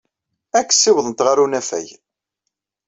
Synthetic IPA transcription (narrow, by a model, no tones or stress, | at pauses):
ækːsːɪwðˤənt̪ʁaɾunæfæ̰j